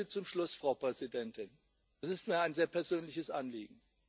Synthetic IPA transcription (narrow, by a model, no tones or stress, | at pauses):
ət͡sʊmʃlʊsfʁ̥aʊpʁ̥ɛzidɛntɪn | ɛsɪstmiːɐaɪnzeːɐpʰɛɐzøːnlɪçəsʔanliːɡŋ̩